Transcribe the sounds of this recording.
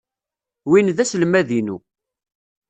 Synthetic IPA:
winðæslmæðinṵ

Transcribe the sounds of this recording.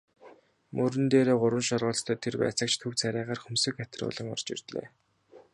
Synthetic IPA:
mʔɵɾɘ̆nt̪eːɾeːɢʊɾwə̆nʃɔrʁʊːɮst̪ʰœːt̪ʰerpæ̰ːt͡sə̆kt͡ɕʰt̪ʰɵwt͡sʰæɾʲæːʁaːrxɵmsɵ̆kxæt̪̆rʊ̰ːɮə̆ŋɔ̰rt͡ɕḭrt̪ɮḛː

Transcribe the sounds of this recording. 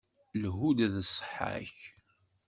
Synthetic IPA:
lɦud̪ðəsˤħə̰ç

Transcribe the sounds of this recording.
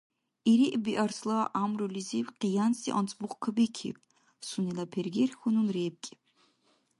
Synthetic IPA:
iɾiʔbiʔaɾslˠaːʔamɾuliziwqijansḭʔɔ̰nt͡sʼbuχkʰabikʰḭb | sunilapʰɛɾɡɛrxununɾɛb̚kʼi

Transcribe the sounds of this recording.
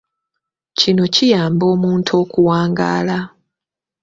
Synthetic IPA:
cino̞cijaːmbo̞ːmuːntʰo̞ːkuwaːŋɡa̰ːla

